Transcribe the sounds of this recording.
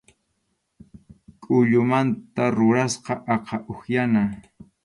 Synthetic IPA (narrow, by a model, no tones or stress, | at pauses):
kʼʊʎʊmant̪aɾʊɾasqɑʔɑqʰɑʔoxjana